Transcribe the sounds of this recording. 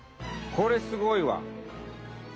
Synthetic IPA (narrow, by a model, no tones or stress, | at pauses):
kʰoɾesɨɡoiwa̰